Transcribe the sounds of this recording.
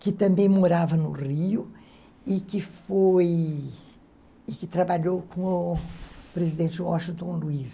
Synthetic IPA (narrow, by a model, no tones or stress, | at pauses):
kɪt̪ɐ̃mbẽj̃moɾavɐnʊriʊ | ɪkɪfoj | ɪkɪt̪ɾabaʎowkõʊ | pɾezid̪ẽnt͡ʃɪwɔʃĩt̪õluis